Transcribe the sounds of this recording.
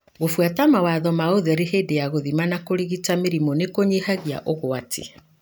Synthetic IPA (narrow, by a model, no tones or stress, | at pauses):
ɣofwatamawaðɔmaoðɛɾeɦeːdejaɣoðimanakoɾiɣitameɾimɔnekoɲehaɣia̰ʔɔɣoatʰḭ